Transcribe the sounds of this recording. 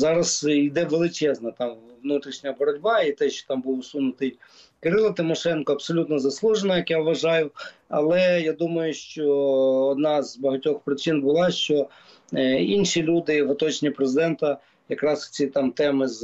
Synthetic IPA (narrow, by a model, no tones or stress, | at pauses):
zɑɾɐzid̪ɛʋelˠɪt͡ʃɛznɐt̪ɑmʋnut̪ɾʲiʃnʲɐbɔɾɔdʲbɑit̪ɛʃt͡ʃɔ̥t̪ɑmbuwʊsunʊt̪ɪj | kɪɾɪlˠɐt̪ɪmɔʃɛnkɔɐpsɔlʲut̪nɔzɐslˠuʒenɐjɐkjaʋʋːɐʒɑjʊɐlˠɛjad̪umɐjʊʃt͡ʃɔɔd̪nɑzbɐɦɐtʲɔxpɾɪt͡ʃinbʊlˠɑʃt͡ʃɔ | inʃilʲud̪ɪʋɔt̪ɔt͡ʃnʲipɾezɪd̪ɛnt̪ɐ | jɐkɾɑst͡sʲit̪ɑmt̪ɛmɪz